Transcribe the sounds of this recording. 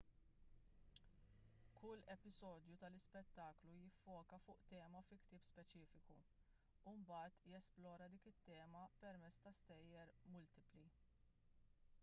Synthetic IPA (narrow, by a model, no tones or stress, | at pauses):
kʰʊlːɛpɪzɔːd̪jut̪ɐlɪspɛt̪ːɐːklujɪfːɔːkɐfʊːʔt̪ɛːmɐfɪkt̪ɪːpspɛt͡ʃiːfɪku | umbɐːt̪jɛsplɔːɾɐd̪iːkɪt̪ːɛːmɐpɛɾmɛt͡sːt̪ɐst̪ɛjːɛɾmʊlt̪ɪpli